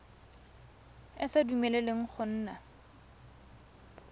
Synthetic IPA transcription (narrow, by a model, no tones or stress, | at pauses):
ɪsadumɛleleŋ̩χʊn̩ːna